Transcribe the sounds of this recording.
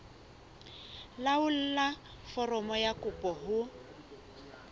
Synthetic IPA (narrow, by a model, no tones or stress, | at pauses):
laʊl̩la | fɔrɔmɔjakʊpʼɔɦʊ